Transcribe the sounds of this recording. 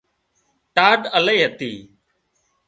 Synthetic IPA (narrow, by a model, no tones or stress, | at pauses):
ʈaːɖəleːɦət̪iː